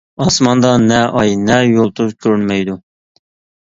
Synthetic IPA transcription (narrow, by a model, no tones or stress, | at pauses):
ɑsmɑnd̪ɑnɛʔɑjnɛjolˠt̪ʰuzkʲʰøɾynmɛjd̪u